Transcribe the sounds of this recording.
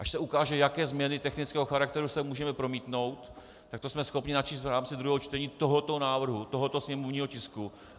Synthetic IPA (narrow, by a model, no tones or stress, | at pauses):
ʔaʃsɛukaːʒɛjakɛːzmɲɛnɪt̪ɛxnɪt͡skɛːɦoxaɾak̚t̪ɛɾusɛmuːʒɛmɛpɾo̞miːt̪no̞wt̪ | t̪ːak̚t̪osmɛsxo̞pɲɪnat͡ʃiːst̪vɾaːmt͡sɪd̪ɾuɦɛːɦot͡ʃt̪ɛɲiːt̪o̞ɦot̪o̞naːvr̩ɦut̪o̞ɦot̪o̞sɲɛmovɲiːɦocɪsku